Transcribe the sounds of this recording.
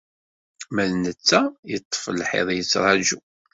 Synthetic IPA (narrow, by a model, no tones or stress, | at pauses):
mælnət͡sːæjət̪ˤːfəlħɪ̰ðˤjət͡sːɾˤɑd͡ʒu